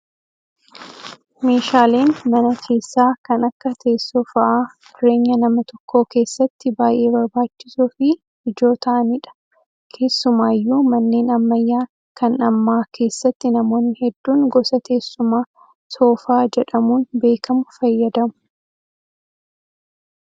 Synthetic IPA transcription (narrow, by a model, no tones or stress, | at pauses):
me̞ːʃaːle̞ːnmɐnɐkʰe̞ːsːaːkɐnɐkːɐt̪ʰeːsːɔːfɐʔaː | ʊɾe̞ːɲːɐnɐmɐt̪ɔkːo̞ːke̞ːsːɐt̪ːɪbaːjʔe̞ːbɐɾbaːt͡ʃːɪ̥suːfɪ | ɪd͡ʒo̞ːt̪ɐʔɐnɪᶑɐ̥ | kʰe̞ːsːʊmaːjːuːmɐnːe̞ːnɐmːɐjːaː | kɐnɐmːaːkʰe̞ːsːɐt̪ːɪnɐmo̞ːnːɪhɛd̪ːuːnɡɔsɐt̪ʰe̞ːsːʊmaː | so̞ːfaːd͡ʒɛᶑɐmuːnbe̞ːkɐmʊfɐjːɐd̪ɐmʊ̥